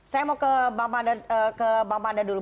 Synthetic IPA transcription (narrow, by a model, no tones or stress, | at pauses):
sajamakəbamadaəkəbamadadulu